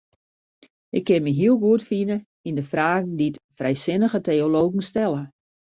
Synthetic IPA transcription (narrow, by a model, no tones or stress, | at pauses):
ɪkʰːɪnməɦiəlˠɡuətfinə | indəfraːɣn̩ditfrɛjsɪnəɣətejoloːɣŋ̩stɛlˠə